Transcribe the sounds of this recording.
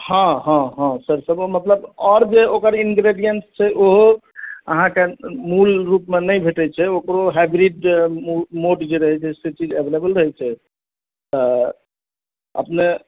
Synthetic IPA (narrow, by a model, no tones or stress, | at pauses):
hɔ̃ɦãɦãsəɾsəbmət̪ləbɔɾd͡ʒeokəɾinɡɾeɖijənst͡ʃʰɛʔoɦoə̰ɦãkemulɾupmenəjbʱeʈɛt͡ʃʰɛokɾoɦabɾiɖumoɖd͡ʒeɾəɦɛt͡ʃʰɛset͡ʃid͡ʒebʱelebəlɾəɦɛt͡ʃʰɛ | t̪ɔ | ə̰pne